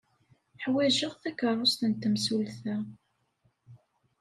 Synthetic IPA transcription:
ħwæʒəʁθækərˤːost̪ənt̪ːəmsulθæ

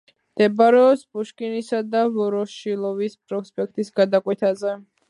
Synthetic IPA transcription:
md̪̥ɛbaɾɛɔpsbuʃkʼinisad̪avɔɾɔʃilˠɔvisbɾɔkspʼɛk̚ʰt̪ʼisɡad̪akʼwɛt̪ʰazɛ

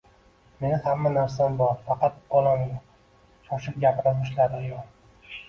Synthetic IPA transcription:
me̞nɪhamːanaɾsambɒɾfɑqɑt̪̚ɒlˠamjʲ | ʃɒʃɪp̚ɡʲapɪɾɪzʊʃlaɾɪajɒl

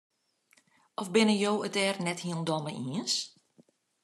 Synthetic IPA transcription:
ʔɔfbɪnəjoːətɛːrnɛthiəlndɔməʔiəns

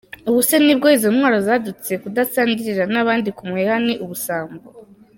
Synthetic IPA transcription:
uβusenib̚ɡoizo̞mŋwaːɾo̞zadut͡se̞kudasaːɲɟiɾiɾanaβaːndikumuehaniʔuβusaːmbo

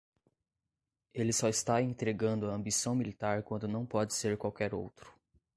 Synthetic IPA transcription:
elɪsɔɪst̪aẽnt̪ɾeɡɐ̃nd̪ʊɐɐ̃mbisɐ̃w̃milit̪aɾkwɐ̃nd̪ʊnɐ̃w̃pɔd͡ʒɪseɾkwawkɛɾo̰wt̪ɾʊ̥

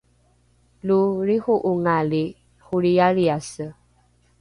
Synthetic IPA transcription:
luɾixuʔuŋali | huɾijaɾiasə

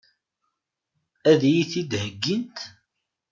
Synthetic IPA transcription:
æðjiθid̪həɡːint̪

